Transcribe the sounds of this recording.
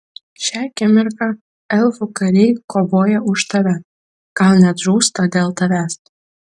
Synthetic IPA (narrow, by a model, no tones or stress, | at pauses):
ʃʲæːkʲɛmʲɪɾkɑ | ɛlˠfukɐɾʲɛjkoːʋoːjɛʔʊʃt̪ɐʋʲɛ | ɡ̥ɐlˠnʲɛt̪ʒuːst̪ɐd̪ʲeːlˠt̪ɐʋʲæːs